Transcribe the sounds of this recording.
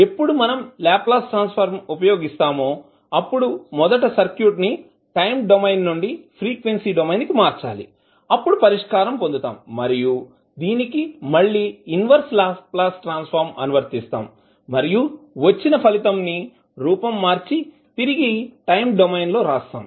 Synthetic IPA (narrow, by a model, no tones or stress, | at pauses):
e̞pːuɽumɐnɐmlaːpːlaːsʈɾaːnspʰɐɾmupɐjo̞ːɡist̪aːmoː | ɐpːuɽumɔd̪ɐʈɐsɐɾkjuːʈni | ʈɐjmɖomɐjnːuɳɖipʰɾiːkʋe̞nsiɖomɐjnkimaːɾt͡ʃa̰ːlḭ | ɐpːuɽupɐɾiʂkaːɾɐmpond̪ut̪a̰ːmːɐɾiju | d̪iːnikimɐɭːiːnʋɐɾslaːpplaːsʈɾaːnspʰɐɾmɐnuʋɐɾt̪ist̪a̰ːmː | ɐɾijuʋɐt͡ʃːinɐpʰɐlit̪ɐmni | ɾuːpɐmːaːɾt͡ʃi | t̪iɾiɡiʈɐjmɖomɐjnlo̞ːɾaːst̪a̰ːm